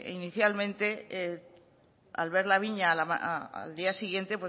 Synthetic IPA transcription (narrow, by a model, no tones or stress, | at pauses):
ḭniθjalmẽ̞nt̪e̞e | a̰lβe̞ɾlaβ̞iɲalaaa̰ld̪iasiɣje̞nt̪epwe